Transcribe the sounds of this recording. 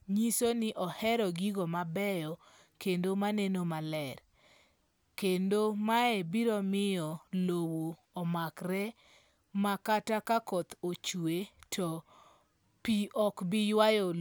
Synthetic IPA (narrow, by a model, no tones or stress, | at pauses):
ɲisonɪʔɔhɛɾɔɡiɡɔmabɛjɔ | kendomanenomalɛr | kendomaɛbiɾɔmɪjɔlowoː | makɾɛ | makatakakɔt̪ot͡ʃuetʰɔ | piʔɔkbɪjwajɔ